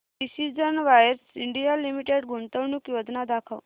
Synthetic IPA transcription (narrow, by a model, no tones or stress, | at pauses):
ɖisid͡zənʋajəɾsiɳɖijalimiʈeɽɡʱuɳt̪əʋnukjod͡ʒnad̪akʰə̰ʋ